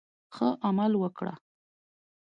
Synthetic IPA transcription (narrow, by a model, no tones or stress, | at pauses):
xəʔamalwəkɽa̰